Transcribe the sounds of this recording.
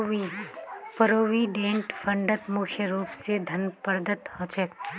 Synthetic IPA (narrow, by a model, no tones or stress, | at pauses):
i | pəɾoːʋiɖẽːɳʈpʰɐ̃ɳɖət̪mʊkʰjəɾuːpsed̪ʱɐnpəɾd̪ʱət̪hõːt͡ʃək